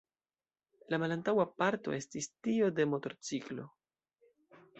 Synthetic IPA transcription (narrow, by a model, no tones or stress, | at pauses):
lamalantawapaɾto̞e̞stistio̞de̞mo̞to̞ɾt͡siklo̞̰